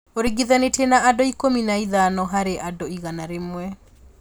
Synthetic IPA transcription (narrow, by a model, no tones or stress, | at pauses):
oɾiɡiðanetenaadoikominaiðanɔɦaɾeʔadoiɣanaɾemwɛ